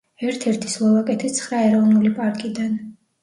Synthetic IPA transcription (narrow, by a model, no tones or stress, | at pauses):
ɛɾt̪ʰɛɾt̪ʰi̥slˠɔvakʼɛt̪ʰit̪sʰχɾaɛɾɔvnulipʼaɾkʼid̪an